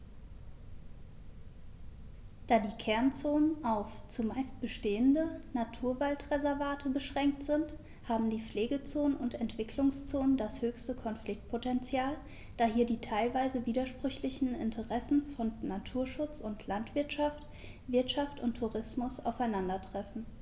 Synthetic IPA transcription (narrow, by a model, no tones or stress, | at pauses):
d̥aːdiːkʰɛɐnt͡soːnənʔaʊft͡sumaɪst̚b̥əʃteːəndənatʰuːɐvaltʁɛzɛɐvaːtʰəbəʃʁ̥ɛŋk̚tz̥ɪnt | haːbm̩diːp͡fleːɡət͡soːnənʊntɛntv̥ɪkʰlʊŋst͡soːnəndashøːçstəkʰɔnflɪk̚t̚pʰotɛnt͡sjaːl | d̥aːhiːɐdiːtʰaɪlvaɪzəviːdɐʃpʁ̥ʏçlɪçn̩ɪ̰ntʰəʁɛsn̩fɔnnatʰuːɐʃʊt͡sʊntʰlantv̥ɪɐtʃaft | v̥ɪɐtʃaftʊntʰːuʁɪsmʊsa̰ʊfaɪnandɐtʁ̥ɛfn̩